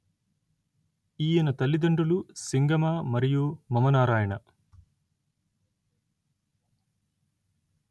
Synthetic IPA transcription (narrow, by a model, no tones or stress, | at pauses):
iːjɐnɐt̪ɐlːid̪ɐɳɖulusiŋɡɐmaːmɐɾijumɐmɐnaːɾaːjɐɳɐ